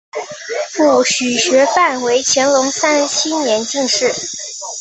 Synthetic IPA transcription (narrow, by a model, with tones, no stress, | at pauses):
fu˥˩ɕy˨˩ɕɥɛ˧˥fa˥˩nwe˧˥ɪt͡ɕʰjɛ˧˥nlʊ˧˥ŋsa˥nɕʰi˥njɛ˧˥nt͡ɕi˥˧ŋʂɻ̩˥˩